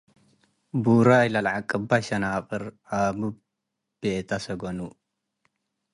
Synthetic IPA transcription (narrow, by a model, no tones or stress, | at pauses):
buɾajlɐlʕakʼːɨbaʃɐnaqʼɨɾʔabɨ | b̥et̪ʰasɐɡonu